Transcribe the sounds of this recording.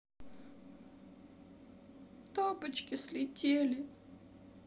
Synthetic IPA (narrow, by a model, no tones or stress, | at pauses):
t̪ɔbɨt͡ʃkʲɪslʲɪtʲelʲɪ